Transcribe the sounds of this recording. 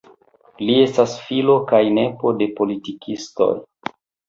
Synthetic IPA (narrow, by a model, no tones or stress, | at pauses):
lie̞stasfilo̞kajne̞po̞de̞po̞litikʰisto̞̰j